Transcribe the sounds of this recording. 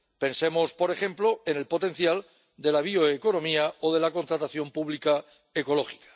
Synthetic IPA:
pe̞nsemo̞spo̞ɾe̞xẽ̞mploe̞ne̞lpo̞t̪e̞n̟θjal | d̪e̞laβ̞ioeko̞nõ̞miaoð̞e̞lako̞nt̪ɾat̪aθjo̞mpuβlika | eko̞lo̞xi̥kḁ

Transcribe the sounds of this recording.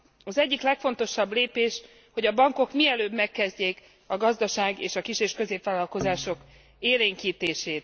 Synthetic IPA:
ɒzɛɟːiklɛkfo̞nt̪o̞ʃɒbleːpeːʃ | ho̞ɟɒbɒŋko̞kmiɛløːbmɛkːɛzɟeːk | ɒɡɒzd̪ɒʃaːɡeːʃɒkiʃeːʃkøzeːpʋaːlɒlko̞zaːʃo̞k | eːleːŋkiːt̪eːʃeːt̪̚

